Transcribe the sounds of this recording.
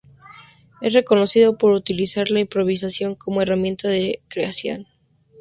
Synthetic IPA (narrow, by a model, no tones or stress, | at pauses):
esre̞ko̞no̞siðo̞po̞ɾut̪ilisaɾlaimpɾo̞β̞is̬asjo̞ŋkʰo̞moe̞ramjẽ̞nt̪aðekɾeasjo̞̰n